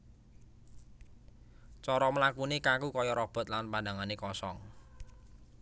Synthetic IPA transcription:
t͡ʃɔɾɔməlakunekakukɔjɔɾɔb̥ɔ̤t̪̚lanpandaŋanekɔsɔŋ

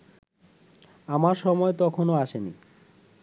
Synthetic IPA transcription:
amaɾʃɔmɔet̪ɔkʰonoaʃenḭ

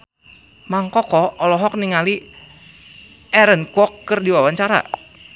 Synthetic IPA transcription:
maŋkɔkɔːlɔɦɔk̚niŋali | ɛɾənkɔkːɨrdiwawaɲt͡ʃaɾa̰

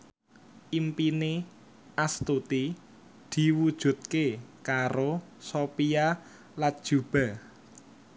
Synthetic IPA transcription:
ʔimpine | ʔast̪ut̪i | d̪̥i̤wud̥ʒ̥ṳt̪̚kekaɾosopia | lat̪̚d̥ʒ̥ub̥a̤

